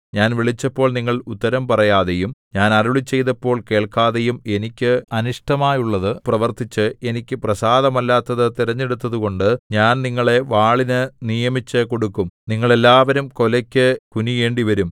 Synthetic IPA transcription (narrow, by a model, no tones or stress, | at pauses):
ɲaːnʋiɭit͡ɕːɐpːo̞ːɭniŋːɐɭut̪ːɐɾɐmpɐrɐjaːðejumɲaːnɐɾuɭit͡ɕːe̞jt̪ɐpːo̞ːɭke̞ːɭkaːðe̞jume̞nikʲːɨɐniʂʈɐmaːjuɭːɐðɨprɐʋɐrt̪it͡ɕːɨe̞nikʲːɨprɐsaːðɐmɐlːaːt̪ːɐðɨt̪iɾɐɲːe̞ɽut̪ːɐðuɣo̞ɳɖɨɲaːnniŋːɐɭe̞ʋaːɭinɨnijɐmit͡ɕːɨko̞ɽukːumniŋːɐɭe̞lːaːʋɐɾumko̞lɐkʲːɨkunije̞ːɳɖiʋɐɾum